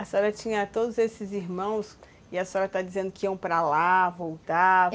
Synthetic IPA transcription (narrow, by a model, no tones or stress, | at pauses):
ɐsɔɾɐt͡ʃĩɲɐt̪od̪ʊzesɪziɾmɐ̃w̃s | ɪɐsɔɾɐt̪ad͡ʒizẽnd̪ʊkɪiɐ̃w̃pɾalavowt̪a